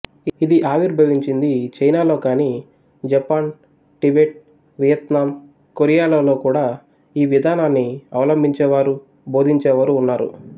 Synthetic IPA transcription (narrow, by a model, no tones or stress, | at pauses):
id̪iʔaːʋiɾbʱɐʋiɲt͡ʃind̪it͡ʃɐjnaːlo̞ːkaːniː | d͡ʒɐpaːn | ʈibeʈ̚ | ʋijɐt̪naːm | koɾijaːloloːkuːɽaː | iːʋid̪ʱaːnaːnːiɐwlɐmbʱiɲt͡ʃɛːʋaːɾu | bʱo̞ːd̪ʱiɲt͡ʃɛːʋaːɾuːnːaːɾṵ